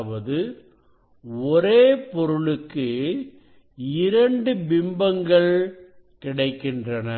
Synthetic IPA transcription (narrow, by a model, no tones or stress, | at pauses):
ʋɐðɯ | ɔɾeːpɔɾɯɭɯkːɯ | ɪɾɐɳɖɯbɪmbɐŋɡɐɭ | kɪɽɐɪkːɪndrɐnɐ